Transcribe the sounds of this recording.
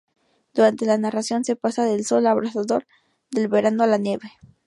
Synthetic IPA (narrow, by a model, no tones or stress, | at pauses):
d̪̥uɾant̪e̞lanarasjo̞nse̞pasaðe̞lso̞laβɾasaðo̞ɾ | ðe̞lβe̞ɾanoalanje̞βe̞